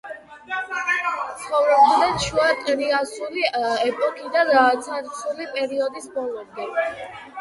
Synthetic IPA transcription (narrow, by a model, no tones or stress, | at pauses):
t̪sʰχɔvɾɔbd̪nɛnʃuatʼɾiasuliɛpʼɔkʼʰid̪at̪sʰaɾsulipʼɛɾiɔd̪isbɔlˠɔmd̪ɛ